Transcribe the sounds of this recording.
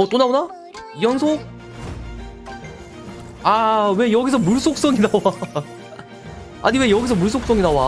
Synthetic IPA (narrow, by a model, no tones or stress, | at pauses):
ʌt͈onaona | ijʌnsʰok̚ | awe̞jʌɡisʰʌmuɭsʰok̚s͈ʌŋinawa | a̰ɲiwe̞jʌɡis̬ʰʌmuɭsʰok̚s͈ʌŋinawa